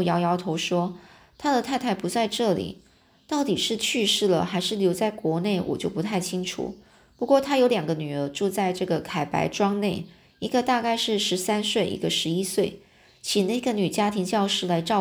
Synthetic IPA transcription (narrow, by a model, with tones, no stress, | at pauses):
jɑ˧˥ʊjɑ˧˥ʊt̪ʰo˧˥ʊʂwɔ˥ | t̪ʰa˥d̪ə˨t̪ʰa˥˧ɪt̪ʰa˥˩ɪpu˧˥t͡sa˥˧ɪʈ͡ʂɤ˥˩lḭ˨˩˦ | t̪ɑ˥˩ʊt̪i˨˩ʂɻ̩˥˧t͡ɕʰy˥˧ʂɻ̩˥˩lə̰˩xa˧˥ɪʂɻ̩˥˩ljo˧˥ʊt͡sa˥˩ɪkwɔ˧˥ne˥˩ɪwɔ̰˨˩t͡ɕjo˥˩ʊpu˧˥t̪ʰa˥˩ɪt͡ɕʰi˥ŋʈ͡ʂʰṵ˨˩˦ | pu˧˥kwɔ˥˩t̪ʰa˥jo˧˥ʊljɑ˨˩ŋɡə˦ny˨˩ə˧˥ʈ͡ʂu˥˧t͡sa˥˧ɪʈ͡ʂɤ˥˩ɡə˩kʰa˨˩ɪpa̰˧˥ɪʈ͡ʂwɑ˥ŋne˥˩ɪ | i˧˥ɡə˧t̪a˥˧ka˥˧ɪʂɻ̩˥˩ʂɻ̩˧˥sa˥nswe˥˩ɪʔḭ˧˥ɡə˧ʂɻ̩˧˥i˥swe˥˩ɪ | t͡ɕʰi˨˩na˥˩i˥˩ɡə˧ny˨˩t͡ɕja˥t̪ʰi˧˥ŋt͡ɕjɑ˥˧ʊʂɻ̩˥˩la˧˥ɪʈ͡ʂɑ˥˧ʊ